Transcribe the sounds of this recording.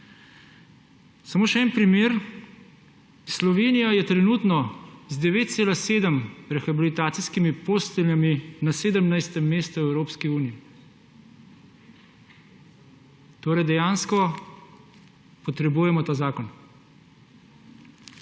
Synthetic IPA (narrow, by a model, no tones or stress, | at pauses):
samoːʃɛɛːnpɾimeːɾ | slɔʋeːnijajɛt̪ɾɛnuːt̪nɔzd̪ɛʋeːt̪̚t̪seːlaseːd̪əmɾɛxabilit̪aːt̪siskimipost̪ɛljaminaseːd̪əmnajst̪ɛmːeːst̪uɛwɾoːpskiuːnijː | t̪oːɾɛjd̪ɛjaːnskɔ | pɔt̪ɾɛbuːjɛmɔt̪aːzaːkɔn